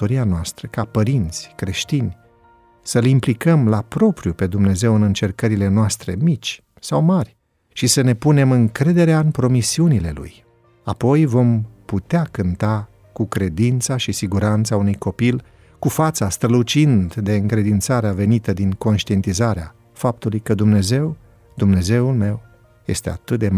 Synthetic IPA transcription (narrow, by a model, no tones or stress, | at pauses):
oɾianoast̪ɾəkapəɾint̪sʲkɾe̞ʃt̪inʲ | səlimplikəmlapɾo̞pɾijupe̞d̪umne̞ze̞wɨnɨnt͡ʃe̞rkəɾile̞noast̪ɾe̞̰mit͡ʃʲ | sawmarʲ | ʃisəne̞pune̞mɨŋkɾe̞d̪e̞ɾeaɨnpɾo̞misiunile̞lṵj | apo̞jvo̞mput̪eakɨnt̪a | kukɾe̞d̪int̪saʃisiɡuɾant̪saunujko̞pil | kufat̪sast̪ɾəlut͡ʃind̪d̪e̞ɨŋkɾe̞d̪int̪saɾeave̞nit̪əd̪iŋko̞nʃt̪ie̞nt̪izaɾea | fap̚t̪ulujkəd̪umne̞ze̞w | d̪umne̞ze̞ulme̞w | je̞̰st̪e̞a̰t̪ɨt̪̚d̪e